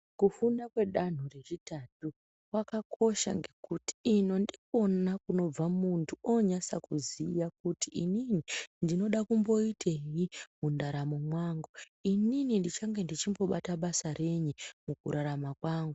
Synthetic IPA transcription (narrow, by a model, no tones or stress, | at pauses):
kufundakwe̞ɗan̤ure̞ʐitatu | wakakʰo̞ʃa̰ŋɡe̞kuti̥ːno̞ndik̚o̞nakuno̞b͡vamuntʰuoɲasakuzijak̚utiʔḭninindino̞ɗakumbo̞itʰeɦimundaɾamomwaŋɡo | ininindit͡ʃaŋɡe̞ndit͡ʃimbo̞ɓataɓasare̞ɲimukuɾaɾamakwaːŋɡu